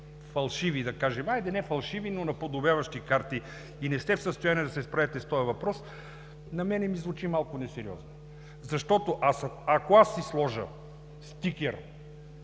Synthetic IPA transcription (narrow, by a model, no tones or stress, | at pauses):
fɐlˠʃivid̪ɐkaʒɛmajd̪ɛnɛfɐlˠʃivinonɐpod̪objavɐʃt̪ikaɾt̪i | inɛst̪ɛfsəst̪ojaniɛd̪ɐsɛspɾɐvɛt̪ɛst̪ɔjɐvɐpɾɔs | nɐmɛnɛmizvut͡ʃimalˠkonɛsɛɾiɔ̰zno | zɐʃt̪ɔt̪oʔasɐkoasːislˠɔʒə̰ | st̪ikʲɛɾ